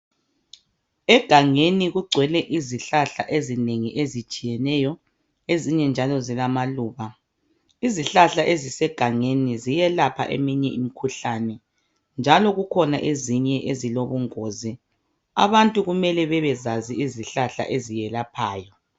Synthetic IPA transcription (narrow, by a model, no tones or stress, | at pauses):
ɛɡ̥ʱaŋeniɣuɡ͡ǀʱwɛlɛʔiziɬaɬa̰ʔezineŋiʔezit͡ʃʼijɛnɛjɔ | eziɲɛnd͡ʒʱalɔzilamaluːβa | iziɬaɬaʔezisɛɡ̥ʱaŋenizijɛlapʰa̰ʔḛmiɲɛimikʰuɬanɛ | nd͡ʒʱalɔɣukʰɔnaʔeziɲɛʔeziloβuŋoːzi | a̰βantʼuɣumɛlɛβɛβɛzaziiziɬaɬa̰ʔezijɛlapʰaːjɔ